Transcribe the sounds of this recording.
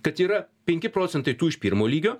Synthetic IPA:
kɐt̪iːɾɐpʲɛŋʲkʲɪpɾoːt̪sʲɛnt̪ɐɪt̪uːɪʃpʲiːɾmoːlʲiːɡʲoː

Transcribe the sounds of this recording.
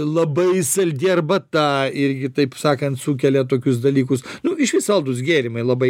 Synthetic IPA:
lˠɐbɐɪsɐlʲd̪ʲirbɐt̪ɑːɪɾʲɡʲɪt̪ɐɪpsɑːkɐnt̪suːkʲɛlʲɛt̪oːkʲʊsd̪ɐlʲiːkʊsnʊɪʃʲʋʲɪsɐlˠd̪ʊs̬ɡʲeːɾʲɪmɐɪlˠɐbɐɪ

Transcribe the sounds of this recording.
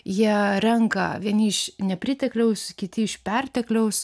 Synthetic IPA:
jiɛɾʲɛŋkɐ̰ʋʲiɛnʲɪɪʃnʲɛpʲɾʲɪt̪ʲɛklʲɛʊskʲɪt̪ʲɪɪʃpʲɛrʲt̪ʲɛklʲɛʊs

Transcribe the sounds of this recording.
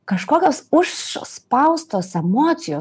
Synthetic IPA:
kɐʃkoːkʲoːsʊʃspɐʊst̪oːsɛmoːt̪sʲɪjoː

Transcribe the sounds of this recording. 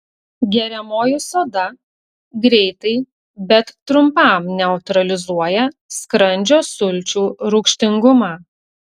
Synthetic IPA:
ɡʲɛɾʲɛmoːjʊsoːd̪ɐ | ɡɾʲɛɪt̪ɐɪ | bʲɛt̪ːɾʊmpɑˑmnʲɛʊt̪ɾɐlʲɪzuɔjɛskɾɐnʲd͡ʒʲoːsʊlʲt͡ʃʲuːɾʊkʃʲt̪ʲɪŋɡʊmɑː

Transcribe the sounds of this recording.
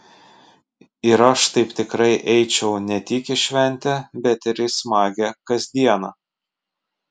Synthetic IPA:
ɪɾɐʃt̪ɐɪpt̪ʲɪkɾɐɪʔɛɪt͡ʃʲɛʊnʲɛt̪ʲɪkɪʃʲʋʲɛnʲˑt̪ʲɛbʲɛt̪ʲɪɾʲɪsmɑːɡʲɛkɐzʲd̪ʲiɛnɐ

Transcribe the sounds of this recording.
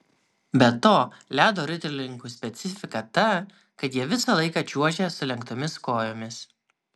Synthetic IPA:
bʲɛt̪oːlʲæːd̪oːɾʲʊt̪ʲɛɾʲlʲɪŋˑkuːsʲpʲɛt̪sʲɪfʲɪkɐt̪ɐ | kɐt̪jiɛʋʲɪsɑlˠɐɪkɑːt͡ʃʲuɔʒʲesʊlʲɛŋkt̪oːmʲɪskoːjoːmʲɪs

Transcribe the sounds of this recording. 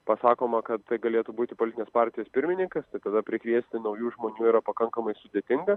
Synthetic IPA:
pɐsɑːkoːmɐkɐt̪t̪ɐɪɡɐlʲeːt̪ubuːt̪ʲɪpoːlʲɪt̪ʲɪnʲeːspɑːɾʲt̪ʲɪjoːspʲɪɾʲmʲɪnʲɪŋkɐst̪ɐɪt̪ɐd̪ɐpʲɾʲɪkʋʲiɛsʲt̪ʲɪnɐʊjuːʒmoːnʲuːiɾɐpɐkɐŋkɐmɐɪsʊd̪ʲeɛt̪ʲɪŋɡɐ

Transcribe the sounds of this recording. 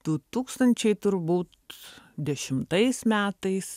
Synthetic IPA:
d̪̥ut̪uːkst̪ɐnʲt͡ʃʲɛɪt̪ʊɾbuːt̪ | d̪ʲɛʃʲɪmt̪ɐɪsmʲæːt̪ɐɪs

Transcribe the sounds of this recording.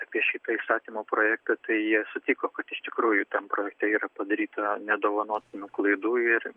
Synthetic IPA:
ɑpʲiɛʃʲit̪ɐiːst̪ɑːt̪ʲiːmoːpɾoːjæːk̚t̪ɐt̪ɐɪjiɛsʊt̪ʲikoːkɐt̪ɪʃt̪ʲɪkɾuːjʊt̪ɐmpɾoːjɛkt̪ʲɛiːɾɐpɐd̪ɐɾʲiːt̪ɐnʲɛd̪oːʋɐnoːt̪ʲɪnʲuklˠɐɪd̪uːɪr

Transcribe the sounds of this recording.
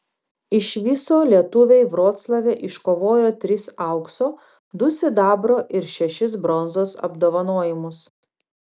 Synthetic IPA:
ɪʃʲʋʲɪsoːlʲiɛt̪ʊʋʲeɪʋɾoːt̪slˠɐʋʲeːʔɪʃkoːʋoːjoːt̪ʲɾʲɪsɑˑʊksoː | d̪ʊsʲɪd̪ɑːbɾoːʔɪɾʃʲɛʃʲɪs̬bɾɔnzoːsɐ̰bd̪oːʋɐnoɔjɪmʊs

